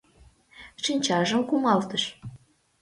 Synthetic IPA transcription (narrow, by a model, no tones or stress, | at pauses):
ʂinʲt͡ɕɑʒɤ̆mkumɑlt̪ɤ̆ʃ